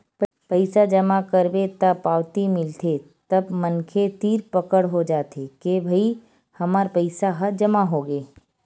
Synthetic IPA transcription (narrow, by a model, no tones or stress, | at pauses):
p | pəɪsad͡ʒəmakəɾbet̪ɐpaːwt̪imɪlt̪ʰe | t̪əbmənkʰet̪iːɾpəkəɽɦod͡ʒaːt̪ekebʱɐi | hɐmaːɾpəɪsaɦəd͡ʒɐmaɦoːɡeː